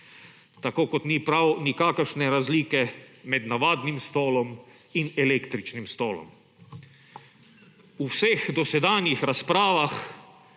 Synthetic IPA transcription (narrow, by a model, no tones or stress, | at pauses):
t̪akoːkɔt̪nipɾawnikaːkəɾʃnɛɾazliːkɛmɛd̪naʋaːd̪nimst̪oːlɔm | inɛlekt̪ɾit͡ʃnimst̪oːlɔ̰m | uwsexd̪ɔsɛd̪aːnjixɾaspɾaːʋax